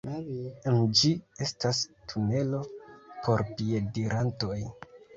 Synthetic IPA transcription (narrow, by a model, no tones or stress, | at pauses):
nd͡ʒie̞stastʰune̞lo̞pʰo̞ɾpiediɾʔanto̞j